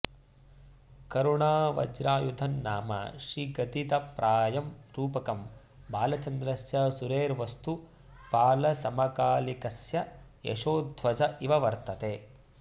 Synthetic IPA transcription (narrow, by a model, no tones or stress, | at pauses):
kɐɾuɳaːʋɐ̰d͡ʒɾaːjud̪ʱɐnːaːmɐ̰ʃɾiɡɐd̪it̪ɐpɾʔaːjɐmɾuːpɐkɐm | baːlɐt͡ʃɐnd̪ɾɐsjɐsuɾeːɾʋɐst̪u | paːlɐsɐmɐkaːlikɐsjɐ | jḛʂoːd̪ʱʋɐd͡ʒɐʔiʋɐʋɐɾt̪ɐt̪eː